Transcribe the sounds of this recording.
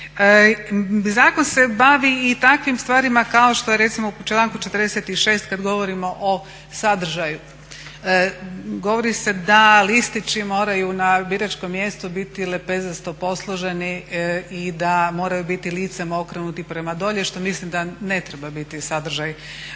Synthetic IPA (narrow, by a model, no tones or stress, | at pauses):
zaːkonse̞baʋiːt̪akʋimst̪ʋaːɾimakao̞ʃt̪ojeɾe̞t̪simout͡ʃlˠaːŋkut͡ʃe̞t̪ɾd̪eset̪iʃe̞ːst̪kad̪ɡo̞ʋo̞ɾimo̞ʔo | sad̪r̩ʒaju | ɡo̞ʋo̞ɾise̞d̪alist̪it͡ʃimo̞ːɾajunabiɾat͡ʃko̞mːje̞st̪ubit̪ile̞pezast̪o̞po̞slˠoʒe̞niid̪amo̞ːɾajubit̪iliːt̪semo̞kɾenut̪ipɾe̞mad̪o̞ʎeʃt̪o̞mislimd̪ane̞t̪ɾebabit̪isad̪r̩ʒaj